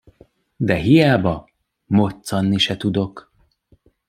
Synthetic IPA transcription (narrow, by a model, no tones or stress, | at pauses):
d̪ɛɦijaːbɒ | mo̞t̪sɒnːiʃɛt̪ud̪o̞k